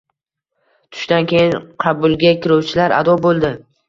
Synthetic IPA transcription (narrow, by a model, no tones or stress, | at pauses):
t̪ʰʊ̥ʃt̪ankʲʰe̞jɪnqʰɑbʊlˠɡʲakʲɪɾowt͡ʃʰɪlaɾʔa̰d̪ɒbolˠd̪ɪ